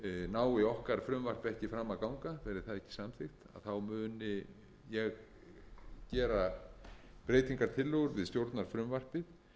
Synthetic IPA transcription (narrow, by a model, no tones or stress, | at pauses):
naːwɪɔhkaɾfɾʏmvar̥pɛhcɪfɾaːmːakawŋkavɛːɾɪθaðɛhcɪ̥samt̪fɪxt̪a̰ðθawmʏːnɪ | jɛɣ | cɛːɾa | pɾeːjt̪iŋkaɾ̥t̪ʰɪlːʏɣʏɾvɪðst̪jowɾt̪naɾ̥fɾʏmvar̥pɪð